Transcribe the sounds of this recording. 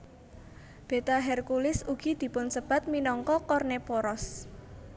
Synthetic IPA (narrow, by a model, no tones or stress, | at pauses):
b̥e̤t̪aɦɛrkulɪsuɡ̥i̤d̪̥i̤pʊnsəb̥a̤t̪̚minɔŋkɔkɔrnepɔɾɔs